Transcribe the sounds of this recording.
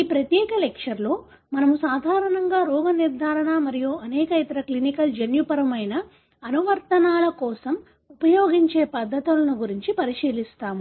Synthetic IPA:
iːpɾɐt̪jɛːkɐlekʂɐɾlo̞ː | mɐnɐmusaːd̪ʱaːɾɐɳɐŋɡaːɾɔːɡɐniɾd̪ʱaːɾɐɳaːmɐɾijuɐnɛːkɐit̪ɐɾɐklinikɐld͡ʒenjupɐɾɐmɐjnɐː | nuʋɐɾt̪ɐnaːlɐkɔːsɐm | upɐjoːɡiɲt͡ʃe̞ːpɐd̪ʱːɐt̪ulɐnuɡuɾiɲt͡ʃipɐɾiʂiːlist̪aːmu

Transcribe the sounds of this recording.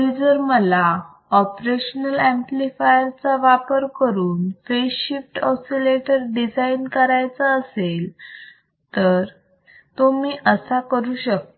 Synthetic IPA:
id͡zəɾməla | ɔpɾeɕənəlæ̃mplifajəɾt͡saʋapəɾkəɾuːnfeifʈɔsileʈəɾɖid͡zainkəɾajt͡saːsel | t̪əɾ | t̪omiːʔəsakəɾuːɕək̚t̪

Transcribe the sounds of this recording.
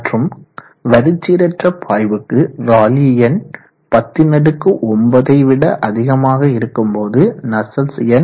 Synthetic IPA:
ʈrɯm | ʋɐɾɯt͡ʃːiːɾɐʈrɐpʰaːjbɯkːɯɾaːlijɐn | pɐt̪ːɪnɐɽɯkːɯʔɔmbɐðɐɪʋɪɽɐʔɐðɪɣɐmaːɣɐɪɾɯkːɯmpoːðɯnɐsɐlsɪjɐn

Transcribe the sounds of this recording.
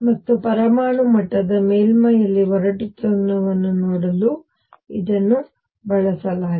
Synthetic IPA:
mɐt̪ːupɐɾɐmaːɳumɐʈːɐd̪ɐmeːlmɐjɐlːiʋɔɾɐʈit̪unɐʋɐnːunoːɽɐlu | id̪ɐnːu | bɐɭɐsɐlaː

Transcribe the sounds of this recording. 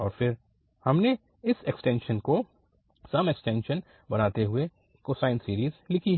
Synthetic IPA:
ɔːɾfɪɾ | hɐmne | ɪsɛksʈɛ̃ːnʃənko | sɐmeksʈɛ̃ːnʃən | bɐnaːt̪eɦʊe | koːsaːɪnsiːɾiːzlɪkʰiɦ

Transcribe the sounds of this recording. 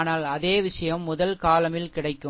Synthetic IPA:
naːlɐðeːʋɪʂɐjɐmːʊðɐlkaːlɐmɪlkɪɽɐɪkːɯ

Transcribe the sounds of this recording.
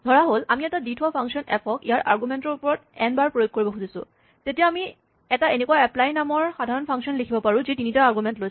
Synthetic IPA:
dʱɔɹaɦolamiɛtaditʰwapʰaŋksɔnɛpʰɔkijaɹʔaɹɡumɛntɔɹupɔɹɔt̚ɛnbaɹpɹojoɡ̚kːoɹibɔxuzisʊ̰̃ | tetijaami | ɛtaenekuwaɛplajnamɔɹxadʱaɹɔnpʰaŋsiɔnlekʰibɔpaɹʊ̃zitinitaaɹɡumɛntloj

